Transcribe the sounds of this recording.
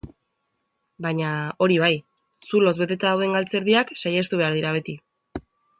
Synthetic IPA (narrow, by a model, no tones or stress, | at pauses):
bajɲao̞ɾiβ̞aj | sulo̞zβe̞t̪e̞t̪aðawe̞ŋɡalt͡se̞ɾðiaksajest̪uβ̞e̞aɾð̞iɾaβ̞e̞t̪i